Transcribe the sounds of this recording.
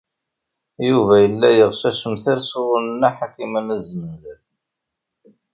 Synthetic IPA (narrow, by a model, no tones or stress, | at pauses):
juvæjəlːæjəʁʃæʃəmθæɾsʊʁʊlənːaħakːimənæzənəzæl